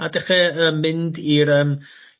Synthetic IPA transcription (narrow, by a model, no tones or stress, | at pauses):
adɛχɛəmːɪndiɾəːm